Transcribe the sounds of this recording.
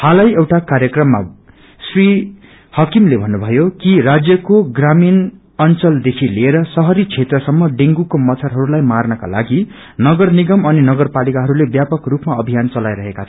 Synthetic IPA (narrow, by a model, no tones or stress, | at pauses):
halajewʈakaɾjʌkrʌmːa̰ | sri | hʌkimlebʱʌnːubʱʌjokirad͡zjʌkoɡramin | ʌnt͡sʌld̪ekʰilieɾʌsʌɦʌɾit͡sʰet̪rʌsʌmːʌɖeŋɡukomʌt͡sʰʌɾɦʌɾulajmarnʌka̰la̰ɡi | nʌɡʌrniɡʌmʌninʌɡʌrpalikaɦʌɾulebjapʌkrupmaʌbʱijant͡sʌlajɾʌɦekat͡sʰʌ